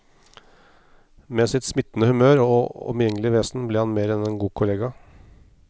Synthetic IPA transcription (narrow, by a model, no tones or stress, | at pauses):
meːsɪt̪smɪt̪ːn̩əhʉmøːɾoːɔ̰mjɛŋəlɪʋeːsnbleːhɑnmeːɾɛnɛnɡuːkʰʊleːɡɑ